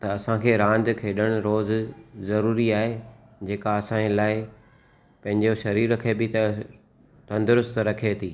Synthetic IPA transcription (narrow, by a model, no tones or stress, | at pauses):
t̪ɐɐsãkʰeːɾãːnd̪kʰeːɗəɽ̃ʊɾoːzzɐɾuːɾiaːɦe | d͡ʑeːkaɐsãlaːɪ | pɐ̃ɦɪ̃ɲd͡ʑoʃɐɾiːɾɐkʰebɪt̪ɐ | t̪ɐ̃nd̪ʊɾʊst̪ɾɐkʰet̪ʰiː